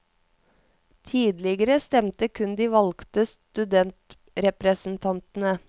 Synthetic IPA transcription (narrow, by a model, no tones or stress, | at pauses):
t̪ʰiːd̪lɪɡəɾəst̪ɛmt̪əkʰʉnd̪iːʋɑlɡ̥t̪əst̪ʉd̪ɛnt̪ | ɾɛpɾɛsn̩t̪ʰɑnt̪n̩ə